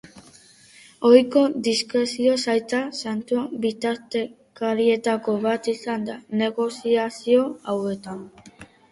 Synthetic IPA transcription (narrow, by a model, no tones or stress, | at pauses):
o̞jko̞d̪iskɾe̞sio̞sajt̪asant̪uabit̪aɾt̪e̞ | kaɾie̞t̪ako̞βat̪isand̪ane̞ɣo̞siasio̞awe̞t̪an